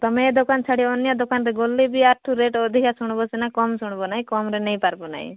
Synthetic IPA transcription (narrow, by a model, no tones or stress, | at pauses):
t̪ɔmeed̪okant͡ʃʰaɽiɔnjad̪okanɾeɡolːibiaʈʰuɾeʈɔd̪ʱikasuɽ̃bɔt͡ʃinakɔmsuɽ̃bɔnaɦĩkɔmɾenej̃paɾbɔna̰ɦḭ̃